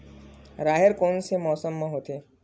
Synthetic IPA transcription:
ɾaːɦɪɾkoːnsemɔːsəmːẽɦoːt̪eː

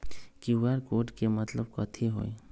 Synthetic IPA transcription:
kiwʋeɾkoːɾʈkemət̪ləb̚kɔt̪ʰeɦo̰ːe

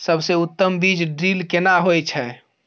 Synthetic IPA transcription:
səbseut̪ːəmbid͡ʒɖɾilkenaɦojt͡ʃʰɛ

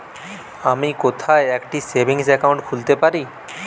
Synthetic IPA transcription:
amikot̪ʰaeɛkʈisebʱiŋsɛkawɳʈkʰult̪epaɾi

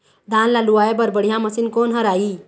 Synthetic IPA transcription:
d̪ãːnlaluaːebəɾbəɽ̤ijãməsinkoːnɦəɾaːi

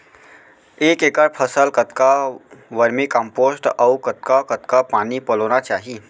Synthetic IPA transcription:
eːkeːkəɾpʰəsəlkət̪kaʋəɾmikə̃mpoːsʈɔʊkɐt̪̚kakɐt̪kapaːnipɐloːnat͡ʃaːɦi

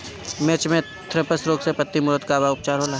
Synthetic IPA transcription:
meːt͡ʃmẽ | t̪ʰɾɪpəsɾoːɡsepət̪ːimʊɾəd̪kabaʊp̚t͡ʃaːɾɦoːlaː

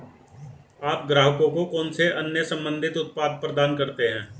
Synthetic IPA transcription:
aːp̚ɡɾaːɦəkõkokɔːnseʔɐnjəsə̃mbə̃nd̪ʱɪt̪ʊt̪̚paːd̪̚pɾəd̪aːnkɐɾt̪eɦɛ̃ː

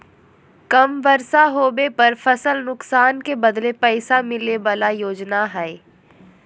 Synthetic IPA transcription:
kɐmʋɐɾsaɦoːbepɐɾfɐsəlnʊksaːnkebɐd̪lepɛɪsamɪleʋalajoːd͡ʒnaɦɛe

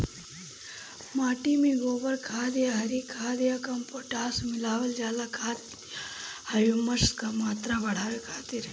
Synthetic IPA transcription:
maːʈimiɡoːʋɐɾkʰaːd̪jaɦɐɾikʰaːd̪jakɐmpoʈaːsmɪlaːʋɐld͡ʒaːlakʰaːt̪ | hɐjumɐskamaːt̪ɾabɐɽ̤aːʋekʰaːt̪iɾ

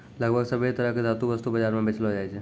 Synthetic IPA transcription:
ləɡbʱəɡsəbet̪əɾəkezaːt̪uʋəst̪ubəd͡ʒaːɾmẽbet͡ʃəlɦod͡ʒaːet͡ʃʰe

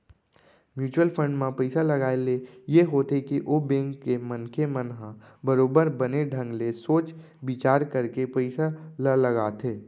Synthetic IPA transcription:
mjuːt͡ʃwəlpʰə̃ɳɖmãpəɪsalɐɡaːelejeɦoːt̪ekiʔoːbẽːŋkːemənkʰemənɦã | bəɾoːbəɾbəneɖʱə̃ŋɡlesoːt͡ʃ | bɪt͡ʃaːɾkəɾkepəɪsaləlɐɡaːt̪ʰeː

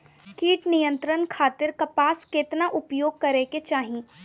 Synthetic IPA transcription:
kiːʈnijə̃nt̪ɾənkʰaːt̪ɪɾkɐpaːskeːt̪naʔʊpjoːɡ̚kɐɾeket͡ʃaːɦieː

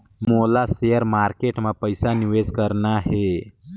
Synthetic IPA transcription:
molasejəɾmaɾkeʈmapəjsaniʋed͡zkəɾnaɦe

